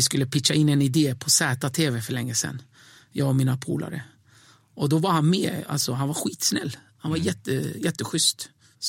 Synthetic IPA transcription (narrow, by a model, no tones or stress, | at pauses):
ɪskɵlːəpʰɪkʂaɪnːɛnɪd̪eːpʰɔsɛːt̪at̪ʰeːvɛfœɭɛŋːəsɛ̰nː | jɑːɡɔmiːnapʰṵːlʔa̰ɾə̰ | ʔɔd̪ɔvaɾhanmeːa̰lsɔɦanvaɾɧiːt̪snɛ̰lː | hanvaɾjɛt̪ːəjɛt̪ːəɧʏst̪